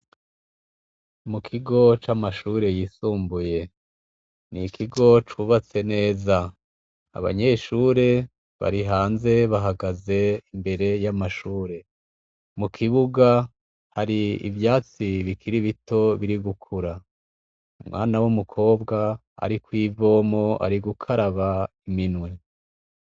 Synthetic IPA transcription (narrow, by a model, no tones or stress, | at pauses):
mukʰiɡo̞t͡ʃamaʃuːɾe̞jiːsuːmbuje̞ | nikʰiɡo̞t͡ʃuβat͡se̞ne̞ːza | a̰βa̰ɲe̞ʃuːɾe̞ | βa̰ɾiɦaːnze̞βaɦaɡaze̞imbe̞ɾe̞jamaʃuːɾe̞ | mukʰiβuɡa | haɾiḭvjaːt͡siβikʰiɾiβito̞βiɾiɡukʰuɾa | umwa̰ːnawumukʰo̞ːbɡa | a̰ɾikwiːvo̞ːmo̞a̰ɾiɡukʰaɾaβaiminwe̞